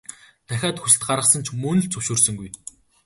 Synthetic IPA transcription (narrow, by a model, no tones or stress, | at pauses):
t̪ʰæxʲaːt̪xusɘ̆t̪̚ɢaɾʁə̆χsə̆nt͡ɕʰmɵnɵ̆ɮt͡sʰɵwʃʊːrsɵ̆ŋɡuj